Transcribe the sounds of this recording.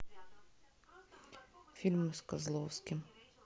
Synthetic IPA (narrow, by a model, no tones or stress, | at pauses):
fʲilʲmʊskɐzlˠɔwsʲkʲɪm